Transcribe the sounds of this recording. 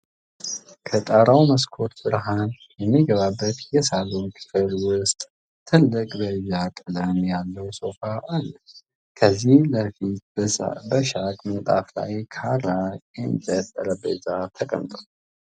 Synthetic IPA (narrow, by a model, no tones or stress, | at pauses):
kʰət̪ʼaɾawməskʰo̞t̪bɨɾɦan | jɛmːiɡəβabːət̪jɛsalonkʰɨ̥fɨlwʊst̪ʼ | t̪ʰɨlːɨkʼbəjːak̪ʼɨləmjalːəwso̞faʔalːə | kʰəzːihləfit̪̚bəʃakʼmət̪ʼa̰fla̰jkʰaɾaɛnd͡ʒʼət̪ʼːəɾəbezat̪ʰəkʼə̰mt̪ʼə